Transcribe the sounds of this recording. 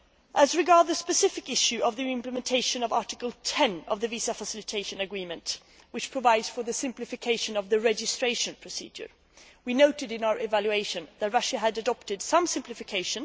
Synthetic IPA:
ʔəzɹɨɡɑɹd̪̚ðɨspɨsɪfɨkɪʃʉʔʌvðiɪ̃mpləmɨ̃ntʰeɪʃɨ̃nʌvɑɹtɨkəl̩ˠtʰɛ̃nʌvðɨvizəfəsɪlˠɨtʰeɪʃɨ̃nɨɡɹĩmɨ̃nt | wɨt͡ʃpʰɹ̥əvaɪdz̥fə˞ðɨsɪ̃mplɨfɨkʰeɪʃɨ̃nʌvðɨɹɛd͡ʒɨstɹ̥eɪʃɨ̃npʰɹ̥ɨsḭd͡ʒə̰˞ | winoʊɾɨɾɨ̃naʊə˞ʔɨvælˠjʉeɪʃɨ̃nðɨt̚ɹʌʃɨɨɾɨdɑp̚tɨd̥sʌ̃msɪ̃mplɨfɨkʰeɪʃɨ̃n

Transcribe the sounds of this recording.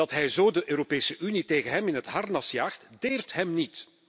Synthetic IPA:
ɑtɦɛjzoːdəʔøːɾopeːsəʔyniteːɣənɦɛmɪnɦətɦɑrnɑsjaːxtdeːrtɦɛmnit

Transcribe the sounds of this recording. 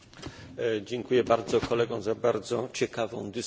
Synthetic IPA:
d͡ʑɛŋkujɛbaɾd̪zɔkʰɔlɛɡɔ̃w̃zabaɾd̪zɔt͡ɕɛkavɔ̃w̃d̪ɘs

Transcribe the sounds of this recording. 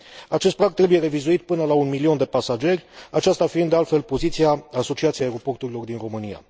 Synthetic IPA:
at͡ʃest̪̚pɾaɡt̪ɾe̞buje̞ɾe̞vizuit̪pɨnəlaunmilio̞nd̪e̞pasad͡ʒe̞rʲat͡ʃast̪afiiɨnd̪ealt̪fe̞lpo̞zit̪siaaso̞t͡ʃiat̪sieaeɾo̞po̞rt̪uɾilo̞rd̪inro̞mɨnia̰

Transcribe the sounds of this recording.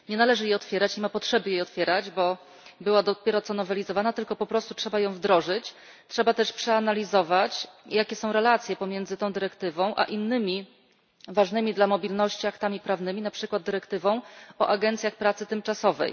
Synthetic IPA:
ɲɛnalɛʐɘjɛɔt̪fʲjɛɾat͡ɕimapɔtʂɛbɘjejɔt̪fʲjɛɾad͡ʑbɔ | bɘwad̪ɔpʲjɛɾɔt̪sɔnɔvɛlʲizɔvanat̪ɘlkɔpɔpɾɔst̪utʂɛbajɔ̃w̃vd̪ɾɔʐɘt͡ɕ | tʂɛbat̪ɛʂpʂɛanalʲizɔvat͡ɕjakʲɛsɔ̃w̃ɾɛlat̪sʲjɛpɔmʲjɛnd̪zɘt̪ɔ̃w̃d̪ɘɾɛkt̪ɘvɔ̃w̃ʔa̰ʔinːɘmʲi | vaʐnɘmʲid̪lamɔbʲilnɔɕt͡ɕiakt̪amʲipɾavnɘmʲinapʂɘkwad̪̚dːɘɾɛkt̪ɘvɔ̃w̃ɔ̰ʔaɡɛnt̪sʲjaxpɾat̪sɘt̪ɘmt͡ʂasɔvɛ̰j

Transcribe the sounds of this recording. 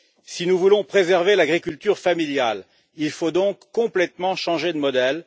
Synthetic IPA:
sinuvulɔ̃pχezɛʁvelaɡʁikʲylt̪yʁfamiljal | ilfod̪ɔ̃kːɔ̃plɛt̪mɑ̃ʃɑ̃ʒed̪əmɔd̪ɛl

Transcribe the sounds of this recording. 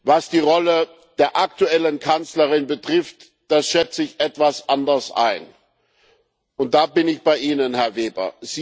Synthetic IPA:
vasd̥iːʁɔlə | d̥eːɐʔak̚tuɛlənkʰant͡slɐʁɪnbətʁ̥ɪft | d̥asʃɛt͡səɪçʔɛtv̥asʔandɐsʔa̰ɪn | ʔʊnt̚d̥aːbɪnɪçb̥aɪʔiːnənhɛɐveːbɐ̰z̥iː

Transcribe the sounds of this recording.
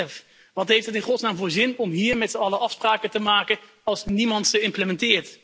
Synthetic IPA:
əf | ʋɑtɦejftdɦətɪnχɔtsnaːmvʊːɹzɪnɔmɦiːɹmɛtsəɑləɑfspraːkətəmaːkə | ɑlˠsnimɑntχəɪmpləmɛntɪːɹt

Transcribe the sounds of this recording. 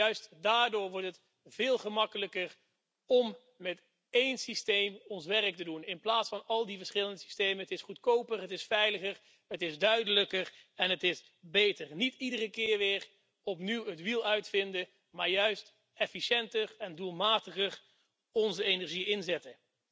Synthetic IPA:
jœɥstdaːɹdʊːɹʋɔɹtɦət | v̥ɪːlˠχəmɑkələkər | ɔm | mɛt | ejnsistejmɔnsʋɛrək̚tədunɪnplaːtsfɑnɑlˠdivəɹsχɪləndəsi̥stejmənətɪsχutkowpərɦətɪsfɛjləχəɹ | ətɪzdœɥdələkərɛnətɪs | bejtəɹnitidərəkɪːɹʋɪːɹ | ɔpniwətʋilˠœɥtfɪndə | maːɹjœɥst | ɛfiʃɛntərɛndulˠmaːtəχəɹ | ɔnzəejnɛɹʒiɪnzɛtə

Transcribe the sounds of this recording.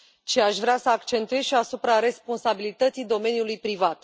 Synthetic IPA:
t͡ʃiaʃvɾeasəakt͡ʃe̞nt̪ue̞zʃiasupɾaɾe̞spo̞nsabilit̪ət̪sijd̪o̞me̞nʲjulujpɾivat̪

